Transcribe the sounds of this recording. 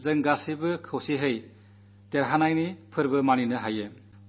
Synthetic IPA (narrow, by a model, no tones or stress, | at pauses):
zɯŋɡasibɯkʰɯwsiɦɯj | deɾɦanajnipʰɯɾbɯmaninɯɦaje